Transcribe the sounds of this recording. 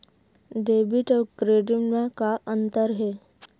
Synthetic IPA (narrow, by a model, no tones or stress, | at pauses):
ɖebiʈəkɾeɖimãkaʔənt̪əɾɦe